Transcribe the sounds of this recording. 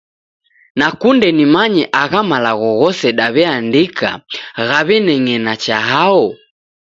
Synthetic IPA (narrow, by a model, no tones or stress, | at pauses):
nakundɛnimaɲɛʔaɣamalaɣɔɣɔsɛɗaβɛandikʰa̰ɣaβɛnɛŋɛnat͡ʃaɦaɔ